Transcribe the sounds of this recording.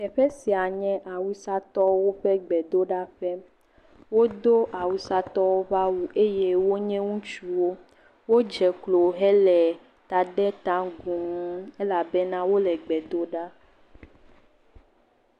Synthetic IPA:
ɛ˨ɸɛ˦si˨a˨ɲɛ̃˦ʔa˨wu˦sa˦t̪ɔ˦wo˦ɸɛ˦ɡ͡bɛ˨d̪o˦ɖa˦ɸɛ˦ | wo˦d̪o˦ʔa˨wu˨sa˦t̪ɔ˦wo˦βa˦wu˨ʔe˦je˦wo˦ɲɛ̃˦ŋũ˦t͡ʃu˦wo˦ | wo˦d͡ʒɛ˨klo˨ɦɛ˦lɛ˨ | t̪a˨ɖɛ˦t̪ã˦ɡu˨mũ˦e˦la˨bɛ˦nã˦wo˦lɛ˨ɡ͡bɛ˨d̪o˦ɖa˦

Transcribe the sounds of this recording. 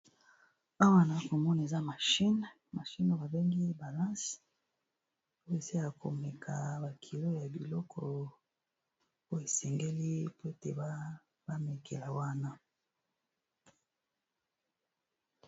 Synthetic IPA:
a˦wa˦na˨a˦ko˨mɔ˦n˨e˨za˦ma˨ʃi˦n | ma˨ʃi˦no˨˦ba˨be˦ŋɡi˦ba˨lã˦s | o˦e˨se˦ja˨kʰo̰˨mɛ˨kʰa˨ba˨kʰi˨lo˦ja˨bi˨lɔ˦kʰɔ˨ | o˦e˨sɛ˨ŋɡe˦li˦po˦e˦tḛ˨ba˦ | ba˦me˨kʰḛ˨la˨wa˦na˦

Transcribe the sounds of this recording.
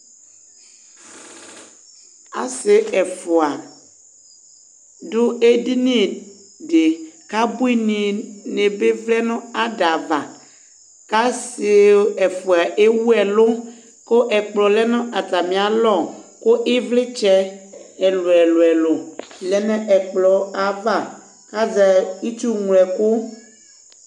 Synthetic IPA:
a̰˨sɪ˨ɛ˨fʊ˨a˨ | dʊ˦e˦di˦nĩ˦˨ | ɖe˨ka˦bu˦i˦nĩ˨ne˨be˦vlɛ˦nũ˦a˦da˨va˨ | ka˦sɪ˨˦ɛ˨fo˨a˨ʔe˦wu˦ɛ˨lo˦ | ko˦ʔɛ˨k͡plɔ˨lɛ˦nɔ̃˦ʔa˨t̪a˨mĩ˨a˨lɔ˦˨ko˦ʔe˦vle˦t͡ʃɛ˦ɛ˨lo˨ɛ˨lo˨ɛ˨lo˨lɛ˨nɛ̃˦ʔɛ˨k͡plɔ˨a˨va˦˨ | ka˦za˨i˦t͡ʃu˦ŋu˨lɛ˨ko˦

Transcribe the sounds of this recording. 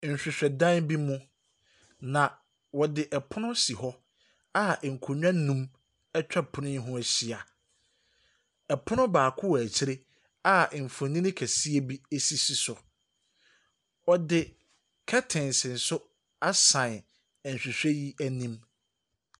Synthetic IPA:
n̩˨ɕᶣɪ˨ɕᶣɛ˨dã˦nbi˦mʊ̃˦ | nã˨ | wɔ˨dɪ˨ʔɛ˨pʰʊ˦nʊ̃˦si˨hɔ˦ | a˦˨ŋ̩˨kʰʊ˨ɲᶣã˦nũ˦m | ɛ˦t͡ɕᶣɛ˦pʰʊ˨nɪ̃˦ɦʊ̃˦æ˨ɕi˨a˨ | ɛ˨pʰʊ˦nʊ̃˦baː˨kʰʊ˦wæ˨t͡ɕʰɪ˦ɾe˦ | a˦˨m̩˨fʊ˨nĩ˦nɪ̃˦kʰæ˨si˦e˦bi˦e˦si˦si˦sʊ˨ | ɔ˨dɪ˨ | kʰɛ˦tʰɪ̃˨nsɪ̃˨n̩˨sʊ˦ | a˦sã˨n˨ | ɛ˨n̩˨ɕᶣi˨ɕᶣɛ˦ji˦ʔæ˦nĩ˦m

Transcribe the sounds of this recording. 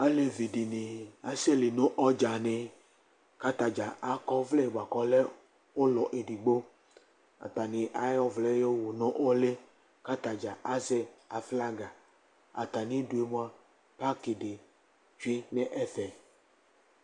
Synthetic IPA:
a˦le˨vi˨ɖi˨ne˨a˨sɛ˦le˨nõ˦ʔɔ˦d͡ʒa˨ne˨ | ka˦t̪a˨d͡ʒa˨ʔa˦kɔ˦vlɛ˦˨ɡ͡ba˨kɔ˦lɛ˦ | wo˦lɔ˨ʔe˨ɖi˨ɡ͡bo˦ | a̰˨t̪a˨nĩ˨ʔa˨˦jɔ˦vlɛ˦jo˦wo˨nɔ̃˦ʔɔ˦le˦ | ka˦t̪a˨d͡ʒa˨ʔa˦zɛ˦a˨fla˦ɡa˨ | a̰˨t̪a˨nĩ˦du˨e˨mõ˦a˦ | pa˦ke˨de˨ | d͡ʒu˦e˦nɛ̃˦ʔɛ˦fɛ˨

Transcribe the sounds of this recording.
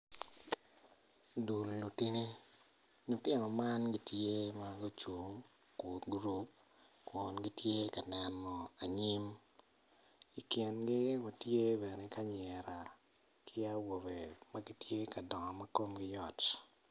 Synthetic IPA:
du˨lːu˨ti˦ni˦ | nu˨tɪ˦nɔ˨ma˦nɡi˨tje˦ma˦ɡo˦t͡ʃu˨ | ku˨ɡɾu˦p̚ | kɔ˨nɡi˦tje˦ka˨nɛ˨nːɔ˨a˨ɲi˦m | i˨kjɛ˨nɡɪ˦ɡo˨tje˦bɛ˨ne˨ka˦ɲɛ˨ɾa˨ | kʰɪ˦a˦wo˨be˨ma˦ɡi˦tje˦ka˨dɔ˨ŋɔ˨ma˦ko˦mɡɪ˦jɔ˨t

